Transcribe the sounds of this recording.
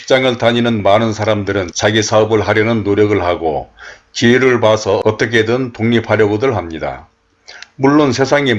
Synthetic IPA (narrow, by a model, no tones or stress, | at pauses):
i̥k̚t͡ɕ͈aŋɯɭtaɲinɯnmanɯnsʰaɾamdɯɾɯnt͡ɕaɡisʰaʌbɯɭɦaɾjʌnɯnːoɾjʌɡɯɭɦaɡo | t͡ɕiiɾɯɭpasʰʌʌt͈ʌkʰe̞dɯntoŋɲipʰhaɾjʌɡodɯɭhamɲida̰ | muɭːonsʰe̞sʰaŋi